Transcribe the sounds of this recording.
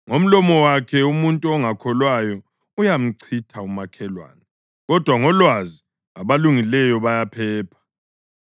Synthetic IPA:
ŋom̩lɔmɔwakʰɛumuntʼuɔŋakʰɔlwajɔ | ujam̩ǀʰitʰaumakʰɛlwa̰ːnɛ | ɣɔd̥ʱwaŋɔlwazi | aβaluŋilɛjɔβajapʰɛːpʰḁ

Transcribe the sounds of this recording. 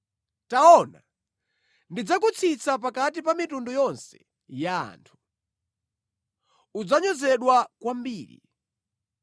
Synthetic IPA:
taɔna̰ | ndid͡zakut͡sʰit͡sʰap̬akat̬ipamitundujɔnsɛ | ja̰ːntʰu̥ | ud͡zaɲɔzɛɗwakwambiːɾḭ

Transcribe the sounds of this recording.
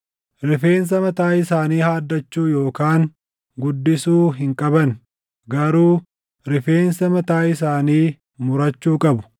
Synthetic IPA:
ɾɪfe̞ːns̬ɐmɐt̪aːɪsaːniːhaːd̪ːɐt͡ʃːuːjo̞ːkaːŋ | ɡʊd̪ːɪsuːɦɪŋkʼɐbɐn | ɡɐɾuː | ɾɪfeːnsɐmɐt̪aːjɪsaːniː | mʊɾɐt͡ʃːuːkʼɐbʊ̥

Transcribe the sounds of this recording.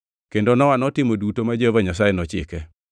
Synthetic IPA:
kendonɔwanɔtɪmodutomad͡ʒehovaɲasajenɔt͡ʃɪ̰kɛ

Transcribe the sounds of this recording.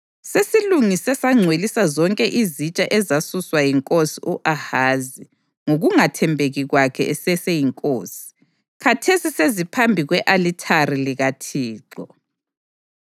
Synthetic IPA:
sesiluŋisɛsaŋ͡ǀʱwelisazɔŋkʼɛʔizit͡ʃʼaʔɛzasuswajiŋkʼosiʔuʔahaːzi | ŋoɣuŋatʰɛmbʱeɣiɣwakʰɛ̰ɛsɛsejiŋkʼoːsi̥ | kʰatʰesisezipʰambʱiɣwɛʔalitʰariliɣatʰiːǁɔ

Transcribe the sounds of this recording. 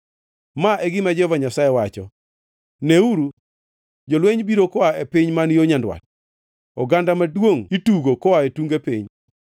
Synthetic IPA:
maʔeɡɪmad͡ʒɔvaɲasaewat͡ʃɔ̰ | neuɾu | d͡ʒolweɲbiɾokɔaepɪɲmanjoɲandwa̰t̚ | ɔɡandamadwoŋituɡokɔaetuŋɡepiɲ

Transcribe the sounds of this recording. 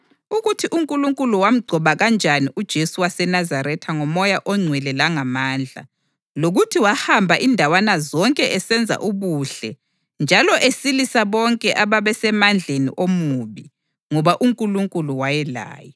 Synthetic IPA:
uɣutʰiʔuŋkʼuluŋkʼuluwam̩ɡ͡ǀʱɔβaɣand͡ʒʱaniʔud̥ʒ̥ʱesuwasɛnazaɾɛtʰaŋɔmɔjaʔɔŋ͡ǀʱwɛlɛlaŋamaːnd͡ɮʱa̰ | loɣutʰiwahambʱaʔindʱawanazɔŋkʼɛʔɛsɛnd͡zʱa̰ʔuβuɬɛ | nd͡ʒʱalɔʔesilisaβɔŋkʼɛʔaβaβɛsɛmand͡ɮʱenḭʔomuβi | ŋɔβaʔuŋkʼuluŋkʼuluwajɛla̰ːjɔ

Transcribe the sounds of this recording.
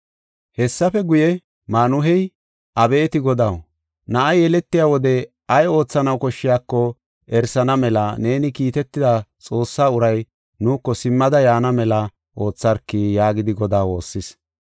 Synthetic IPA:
hɛsːɐfɛɡʊjɛ | maːnʊɦɛj | ʔɐbeːt̪ɪɡɔd̪ɐw | nɐʔɐjɛlɛt̪ːɪjaːwɔd̪ɛ | ɐjo̞ːt͡sːɐnɐwkɔʃːɪjaːkːɔ | ɛɾsɐnɐmɛlɐne̞ːnɪkiːt̪ɛt̪ːɪd̪ɐt͡sʼo̞ːsːaːʊɾɐj | nuːkːɔsɪmːɐd̪ɐjaːnɐmɛlɐ | ʔo̞ːt͡sːɐɾkːɪjaːɡɪd̪ɪɡɔd̪aːwo̞ːsːɪs

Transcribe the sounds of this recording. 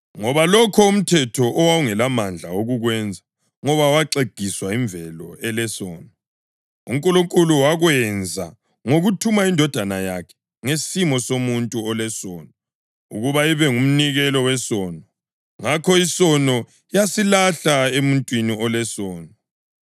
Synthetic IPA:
ŋɔβalɔkʰɔum̩tʰɛtʰɔʔːwauŋɛlamand͡ɮʱaoɣuɣwɛnd͡zʱa | ŋɔβawaǀeɡ̥ʱiswaiɱbvʱɛlɔ̰ɛlɛsɔːnɔ | ṵŋ̩kʼuluŋkʼuluwaɣwɛnd͡zʱa̰ | ŋoɣutʰumaindʱɔd̥ʱanajakʰɛ̥ | ŋesimɔsomuntʼuɔlɛsɔːnɔ | ṵɣuβaiβɛŋum̩niɣɛlɔwɛsɔːnɔ | ŋakʰɔisɔnɔ | jasilaɬaemuntʼwiniɔlɛsɔːnɔ

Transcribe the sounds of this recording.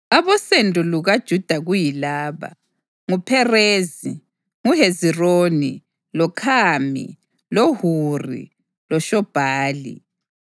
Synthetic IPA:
aβɔsendʱʼuluɣad̥ʒ̥ʱud̥ʱaɣujilaːβa̰ | ŋupʰɛreːzi | ŋuɦeziroːni | lɔkʰaːmḭ | lohurḭ | lɔʃɔb̥ʱaːlḭ

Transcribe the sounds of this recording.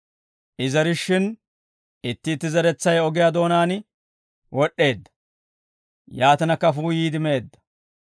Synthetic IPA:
ʔɪzɐɾɪʃːɪn | ɪt̪ːɪːt̪ːɪzɐɾɛt͡sːɐjɔɡɪjad̪o̞ːnaːn | wɔɗːe̞ːd̪ːɐ̥ | jaːt̪ɐnɐkːɐfuːjiːd̪ɪme̞ːd̪ːɐ̥

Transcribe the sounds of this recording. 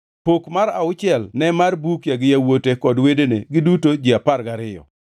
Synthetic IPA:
pokmaɾaʊt͡ʃɪɛlnɛmarbukjaɡɪjawotekɔdwedeneɡɪdutod͡ʒɪaparɡaɾɪjɔ̰

